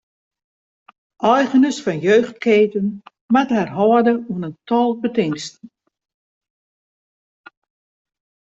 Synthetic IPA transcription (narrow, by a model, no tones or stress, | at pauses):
ʔɔjɣənəsfɔnjøːxt̚keːtən | mathɛrɦɔədəuənəntɔlˠbətɪŋstn̩